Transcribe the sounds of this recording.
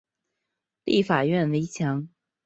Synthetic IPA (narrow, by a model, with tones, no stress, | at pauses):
li˥˩fa˨˩ɥɛ˥˩nwe˧˥ɪt͡ɕʰjɑ˧˥ŋ